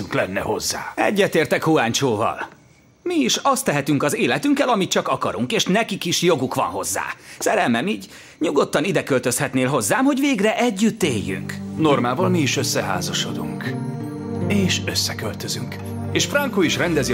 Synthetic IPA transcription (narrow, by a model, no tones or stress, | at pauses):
ŋklɛnːɛ̰ho̞zːa̰ːɛ̰ɟːɛt̪eːrt̪ɛkhuaːɲt͡ʃoːvɒ̰l | miːʃɒst̪ːɛɦɛt̪yŋkɒzeːlɛt̪yŋkɛlɒmit̪t͡ʃɒkɒkɒɾuŋkeːʃnɛkikiʃjo̞ɡukʋɒ̰nho̞zːa̰ːsɛɾɛlmɛmiːɟ | ɲuɡo̞t̪ːɒnid̪ɛkølt̪ø̞shɛt̪neːlɦo̞zːaːmho̞ɟveːɡrɛʔɛɟːyt̪ːeːjːy̰ŋkno̞rmaːvɒlmiiʃøsːɛɦa̰ːzɒʃo̞d̪ṵŋk | eːʃøsːɛkølt̪øzyŋk | eːʃfrɒŋkoiʃrɛnd̪ɛzi